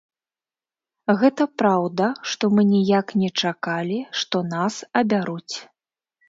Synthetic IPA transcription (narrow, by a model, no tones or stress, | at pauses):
ɣɛt̪ɐpɾawd̪ɐʂt̪ɔmɨnʲijaknʲɛt͡ʂakalʲiʂt̪ɔnasɐbʲaɾut͡sʲ